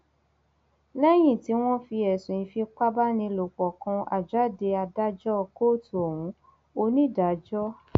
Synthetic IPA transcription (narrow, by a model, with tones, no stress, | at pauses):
lɛ˦j̃ĩ˦˨ti˨˧˦w̃ɔ̃˦fi˧ɛ˨sũ˨ĩ˨˧fi˧k͡pa˦ba˦nĩ˧lo˨k͡pɔ˨kã˧a̰˨d͡ʒa˦˨de˧a˧da˦d͡ʒɔ˦˨ko˦˨tu˨ɔ˨wũ˨˦ | o˧nĩ˦˨da˨˦d͡ʒɔ˦